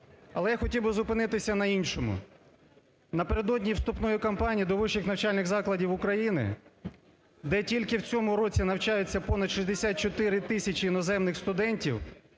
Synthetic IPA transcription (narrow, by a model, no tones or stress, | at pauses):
ɐlˠɛjaxɔtʲiwbɪzʊpɪnɪt̪ɪsʲɐnɐinʲʃɔmʊ̰ | nɐpeɾed̪ɔdʲnʲiwst̪ʊpnɔjʊkɐmpɑnʲijid̪ɔʋɪʃɪxnɐwt͡ʃɑlʲnɪɣzɑklˠɐdʲiwʊkɾɐjinɪ̰ | d̪ɛtʲilʲkɪwt͡sʲɔmʊɾɔt͡sʲinɐwt͡ʃɑjʊt͡sʲːɐpɔnɐd̪ʃizʲd̪esʲat̪̚t͡ʃɔt̪ɪɾɪt̪ɪsʲɐt͡ʃɪinɔzɛmnɪxst̪ʊd̪ɛnʲtʲiw